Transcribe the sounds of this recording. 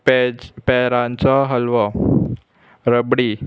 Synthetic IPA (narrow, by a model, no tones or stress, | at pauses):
pɛɾãnt͡saɦəlʋə | ɾəbɽi